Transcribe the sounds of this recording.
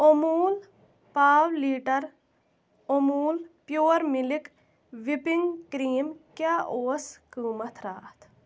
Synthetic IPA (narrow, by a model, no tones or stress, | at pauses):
omuːl | paːwliːʈɐɾ | omuːlpjoːɾmilik | ʋipiŋɡkɾiːmkjaːʔoːskɨːmɐt̪ʰɾaːt̪ʰ